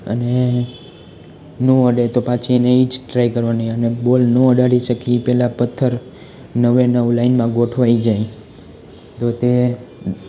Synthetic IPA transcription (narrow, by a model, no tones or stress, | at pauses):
ə̰ne | noəɖet̪opat͡ʃʰineit͡ʃʈɾaikəɾʋanəənebolnəəɖaɽiʃəkʰipɛlapət̪ʰːəɾ | nəʋenəʋlainmãɡoʈʰʋaid͡ʒaĩ | t̪ot̪e